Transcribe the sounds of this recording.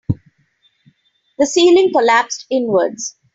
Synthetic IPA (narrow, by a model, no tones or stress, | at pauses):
d̪əsiːlɪ̃ŋkɔlæpsʈɪ̃nʋəɾɖz̥